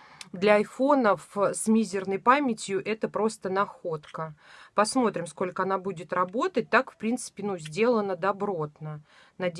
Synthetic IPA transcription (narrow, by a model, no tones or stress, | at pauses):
d̪lʲɐːjfo̞nəfsmʲizʲɪrnəjpamʲɪtʲjʊʔɛt̪əpɾo̞st̪ənɐxo̞t̪kəpɐsmo̞t̪ɾʲɪmsko̞lʲkəɐn̪abudʲɪt̪rɐbo̞t̪ət̚ʲt̪akfpɾʲint̪sɨ̥pʲɪnuzʲdʲe̞lˠənəd̪ɐbɾo̞t̪nə | nɐdʲ